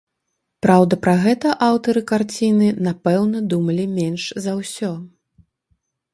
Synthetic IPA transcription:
pɾawd̪ɐpɾɐɣɛt̪ɐʔawt̪ɐɾɨkart͡sʲinɨnapɛwnɐd̪umɐlʲimʲɛnʂzɐwsʲɔ

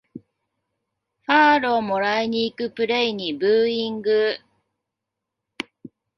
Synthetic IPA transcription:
ɸaːɾoːmo̞ɾaiɲ̟iːkɯ̟pɯ̟ɾe̞iɲ̟ibɯːĩŋɡɯ

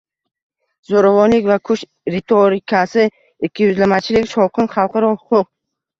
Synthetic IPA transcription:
zoɾavɒnlɪkʲvakʰʊʃ | ɾet̪ʰoɾɪkʰasɪ | ɪkʲʰːijʊzlamat͡ʃʰɪlɪkʲʃɒwqʰɨnχɑlˠqʰɑɾɒhʊqʰʊq

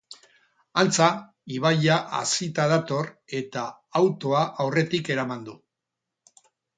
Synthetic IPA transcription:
ant͡sa | iβ̞aʎaʔa̰sit̪að̞at̪o̞re̞t̪aː | wt̪o̞aʔawre̞t̪ike̞ɾamand̪u

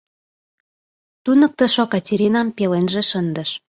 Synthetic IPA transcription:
t̪unɤ̆k̚t̪ə̆ʃokɑtʲeɾʲinɑmpelenʒĕʃənd̪ə̆ʃ

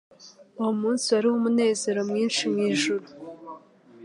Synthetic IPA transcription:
uwomuːnsiaɾihomune̞ːze̞ɾo̞mŋiːnʃimŋiːʒuɾu

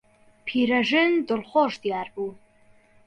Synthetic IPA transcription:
pʰiːɾɐʒɨndɨlχʷoʒd̪ijaːrbuː

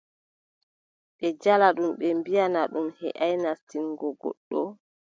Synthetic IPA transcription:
ɓɛd͡ʒalaɗumɓɛmbijanaɗumhɛ̰ʔajnastinɡɔɡɔ̰ɗːɔ

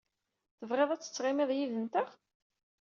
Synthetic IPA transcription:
θəvʁeðˤæt͡sːə̥t͡sːʁɪmɪðˤjiðənt̪əʁ

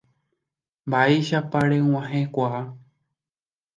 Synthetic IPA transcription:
mbaeʃapaɾew̃ãɦẽkʷaʔa

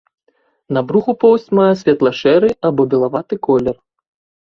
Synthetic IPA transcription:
nɐbɾuxupɔwsʲt͡sʲmajɛsʲvʲɛt̪lˠɐʂɛɾɨabɔbʲɛlˠavat̪ɨkɔlʲɛr

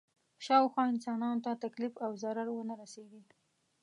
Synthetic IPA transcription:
ʃɑwxwɑɪnsɑnɑnot̪at̪aklɪfawzaɾaɾwənaɾaseɡi

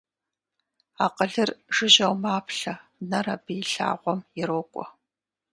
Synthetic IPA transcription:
aːqəɮɨrʒɨʑɐwmaːpʰɬɐnɐrɐbɨjɪɬa̰ːʁʷɔmjɪɾoːkʷʼɔ

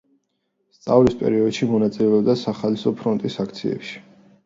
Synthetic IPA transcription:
st̪sʼavlispʼɛ̰ɾiɔd̪ʃimɔnat̪sʼilɛɔb̚d̪asaχalisɔpʰɾɔnt̪ʼisakʰt̪sʰiɛ̰pʃi̥

